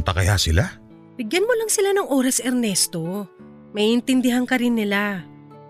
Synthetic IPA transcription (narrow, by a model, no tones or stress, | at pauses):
t̪ɐkɐjasɪla | b̥ɪɡjɐnmolɐŋsɪlanɐŋʔo̞ːɾɐsɛɾnɛst̪o̞ | mɐʔiʔɪnt̪ɪnd̪ɪɦaŋkɐɾɪnːɪla